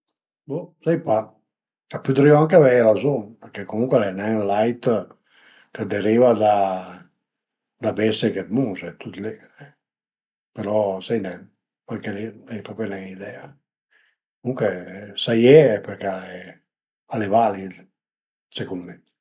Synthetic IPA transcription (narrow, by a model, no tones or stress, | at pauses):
bosɛjpa | apyd̪ɾiɔaŋkeavɛɾazoŋpəɾkekomuŋkwalɛnɛŋlajt̪ | kəd̪eɾivad̪a | d̪abɛseket̪muzɛt̪ut̪leɛ | peɾɔsɛjnɛ | palkeleɛjpɔpɛnɛŋid̪ɛa | komuŋkwesajɛɛpeɾkeaɛ | alevalid̪ | sekumme